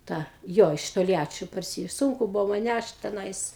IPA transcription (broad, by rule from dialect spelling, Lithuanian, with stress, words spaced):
ˈtɑː ˈjoː ɪʃ toːlʲˈjæːt͡ʃʲoː pɐrʲˈsʲɪ ˈsʊŋkʊ ˈbuːʋoː mɐn ˈnʲæʃt tʲɛˈnɐɪs